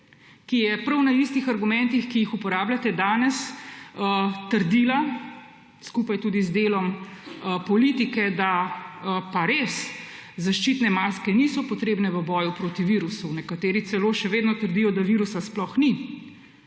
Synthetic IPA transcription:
kijɛpɾɐwnaist̪ixaɾɡumɛnt̪ixkijixupɔɾaːbljat̪ɛd̪aːnɛsət̪əɾd̪iːla | skupajt̪uːd̪izd̪eːlɔm | pɔlit̪ikɛd̪a | paɾes | zaʃt͡ʃit̪nɛmaskɛnisɔpɔt̪ɾeːbnɛʋəbɔjupɾoːt̪iʋiːɾusunɛkat̪eːɾit̪sɛloːʃɛʋeːd̪nɔt̪əɾd̪ijɔd̪aʋiɾusasplɔxni

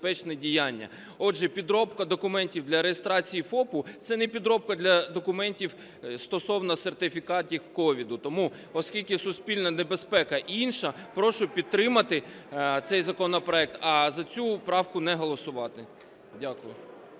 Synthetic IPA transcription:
pɛt͡ʃnɛdʲijɑnʲːɐ̰ | ɔʒɛpʲid̪ɾɔpkɐd̪ɔkʊmɛnʲtʲiwd̪lʲɐɾejest̪ɾɑt͡sʲijifɔpʊt̪sɛnɛpʲid̪ɾɔp̚kɐd̪lʲɐd̪ɔkʊmɛnʲtʲiw | st̪ɔsɔwnɐsert̪ɪfʲikɑt̪ʲixkɔʋʲid̪ʊt̪ɔmu | ɔskʲilʲkɪsʊspʲilʲnɐnebespɛkɐʔiinʃɐpɾɔʃʊpʲid̪̚ɾɪmɐt̪ɪ | t̪sɛjzɐkɔnɔpɾɔɛk̚t̪ɐzɐt͡sʲupɾɑwkʊnɛɦɔlˠɔsʊʋɑt̪ɪ | dʲakʊjʊ

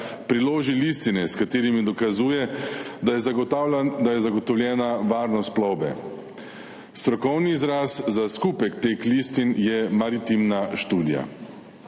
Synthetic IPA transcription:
pɾiloːʒilist̪inɛskat̪eːɾimid̪ɔkazuːjɛ | d̪ajɛzaɡɔt̪ɔwljɛːnaʋaːɾnɔst̪plɔwbɛ̰ | st̪ɾɔkɔwniːzɾaːszaskuːpɛkt̪eːklist̪injɛmaɾit̪imnaʃt̪uːd̪ija̰

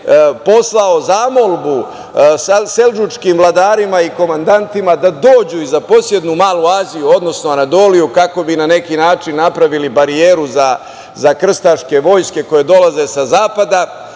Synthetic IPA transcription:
po̞slˠao̞zaːmo̞lˠbu | sseld͡ʒut͡ʃkiːmvlˠad̪aːɾimaiko̞mand̪ant̪imad̪ad̪o̞ːd͡ʑuizapo̞sje̞d̪numaːluaːzijuo̞d̪no̞snoanad̪o̞ːlijukako̞binane̞kinaːt͡ʂinːapɾaʋilibaɾieːɾuza | zakr̩st̪aʃke̞ʋo̞jske̞ko̞je̞d̪o̞laze̞sazaːpad̪a

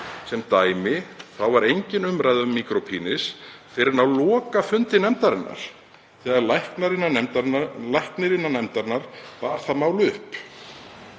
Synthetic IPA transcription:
sɛmt̪aːjmɪθawvaɾejɲcɪnʏmɾajðʏmmːiːkɾopʰiːnɪsfɪɾɪɾnawlɔːkafʏnt̪ɪnɛmt̪aɾɪnːa̰ɾ̥ | θɛɣalajhknaɾɪnːaɛmt̪lajhknɪɾɪnːanɛmt̪aɾnaɾvaɾ̥θaðmaːwlʏhp

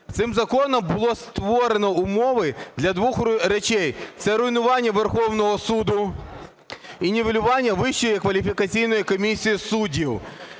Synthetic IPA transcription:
t̪sɪmzɐkɔnɔmbʊlˠɔst̪ʋɔɾenɔʊmɔʋɪd̪lʲɐd̪ʋuxɾet͡ʃɛjt̪sɛɾʊjnʊʋɑnʲːɐʋerxɔwnɔɦɔsud̪ʊ | inʲiʋelʲʊʋɑnʲːɐʋɪʃt͡ʃɔjikʋɐlʲifʲikɐt͡sʲijnɔjikɔmʲisʲijisudʲiw

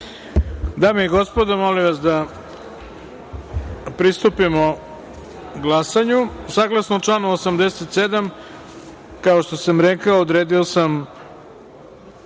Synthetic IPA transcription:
d̪aːmejɡo̞spod̪amoliʋasd̪a | pɾist̪upimo | ɡlˠasaɲusaːɡlˠasnot͡ʂlˠaːnuosamd̪eset̪se̞d̪am | kao̞ʃt̪osamɾekaoːd̪ɾeːd̪iosam

